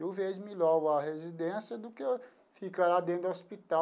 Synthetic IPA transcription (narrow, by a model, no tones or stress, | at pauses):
ewveʒmilɔɡʊɐhezid̪ẽsjɐd̪ʊke | fikaɾad̪ẽd̪ɐospit̪a